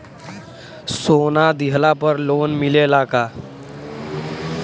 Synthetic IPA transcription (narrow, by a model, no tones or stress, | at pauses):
sonad̪iɦlapəɾlonmilelaka